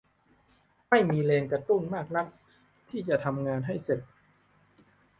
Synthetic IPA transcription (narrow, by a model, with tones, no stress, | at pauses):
ma˥˩jmiː˧leː˧nkɾa˧t̪u˥˩nmaː˥˩k̚la˦˥k̚ | t̪ʰiː˥˩t͡ɕa˨˩ʔt̪ʰa˧mŋaː˧nɦa˥˩jse˨˩t̪̚